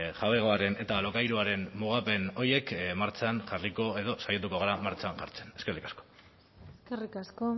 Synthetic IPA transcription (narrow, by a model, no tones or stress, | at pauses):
xaβe̞ɣ̞oaɾe̞ne̞t̪alo̞kajɾuaɾe̞nmuɣ̞ape̞no̞ɾje̞kmaɾt͡sanʝariko̞e̞ðo̞sajat̪̬uko̞ɣ̞aɾamaɾt͡ʃanʝa̰ɾt͡se̞̥ne̞skerikḁsko̥ | eskerikasko